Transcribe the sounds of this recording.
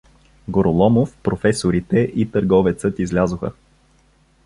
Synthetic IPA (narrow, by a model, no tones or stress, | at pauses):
ɡoɾolˠɔmofpɾofɛsoɾit̪ɛʔit̪əɾɡɔvɛt̪sɤt̪izlʲazʊxə̰